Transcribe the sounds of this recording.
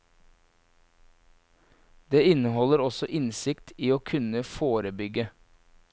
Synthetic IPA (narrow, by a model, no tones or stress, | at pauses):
d̪eːɪnəhɔləɾɔsɔʔɪnsɪkt̪ʰiːoːkʰʉnəfoːɾəbʏɡə